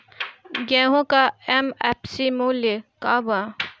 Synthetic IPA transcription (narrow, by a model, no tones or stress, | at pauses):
ɡɛ̃ːɦõkaɛmɛpsimuːljekaːba